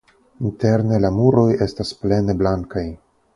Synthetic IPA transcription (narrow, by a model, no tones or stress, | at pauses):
inte̞ɾne̞lamuɾo̞je̞stasple̞ne̞blaŋkaj